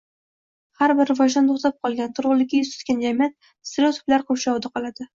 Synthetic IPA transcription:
haɾbɪɾvɒʃd̪ant̪ʰoχt̪ap̚qʰɒlˠɡʲant̪ʰʊɾʁʊlˠɪkʲːajʊzt̪ʊ̥t̪kʲand͡ʒamijat̪̚ | st̪ɾot̪ʰʊ̥plaɾqʰoʃaɒd̪aqʰɒlˠad̪ɪ

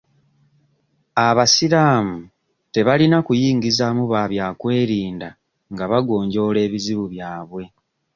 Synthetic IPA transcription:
aβasiɾaːmu | te̞βalinakujiːŋɡizamuβaβjaːkwe̞ːɾiːnda | ŋɡaβaɡo̞ːɲɟo̞ːle̞ːβiziβuβjaːβwe̞

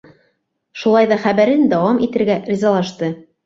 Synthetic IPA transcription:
ʃulˠɑjðɑχæβæɾɘnd̪ɑwɑmʔit̪ɘ̆ɾɡæɾʲizɑlˠɑʃt̪ɤ

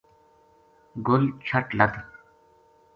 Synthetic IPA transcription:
ɡʊlt͡ɕʰɐʈlɐd̪

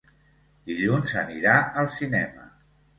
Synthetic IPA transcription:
d̪̥iʎunzəniɾaəlˠsinɛmə̰

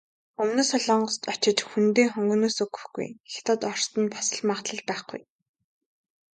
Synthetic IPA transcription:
ɵmnoːsɔɮɔ̆ːɴɢɞ̆st̪ɔt͡ɕɪ̆t͡ɕxunt̪eːχɔŋɡɵ̆noːsɵɡɵ̥̆xɡṵjxe̥t̪ʰɔt̪ɔr̥st̪ə̆npʰḁsə̆ɮmaːχt̪ɮə̆ɮpæːχɡṵj

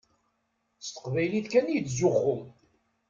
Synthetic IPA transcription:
st̪ə̥qvæjliθkænjət͡sːzʊχʊm

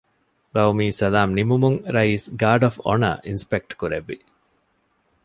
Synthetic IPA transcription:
bɐʋmiːsɐlaːmnimumuŋɾɐiːsɡaːɖɔfɔ̰nɐ̰ʔinspek̚ʈkuɾeʋːi

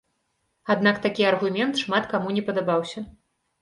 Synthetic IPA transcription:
ad̪nakt̪akʲiɐrɣumʲɛnt̪ʂmat̪kamunʲɛpɐd̪abawsʲɐ

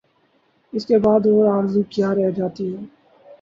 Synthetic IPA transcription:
ɪskebaːd̪oːɾaːɾzukjaːɾɛɦd͡ʒaːt̪iɦɛː

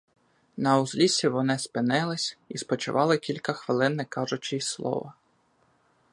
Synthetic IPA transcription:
nɐʊzlʲisʲiʋɔnɪspɪnɪlˠɪsʲispɔt͡ʃʊ̰ʋɑlˠɪkʲilʲkɐxʋɪlˠɪnːɪkɑʒʊt͡ʃɪslˠɔ̰ʋɐ

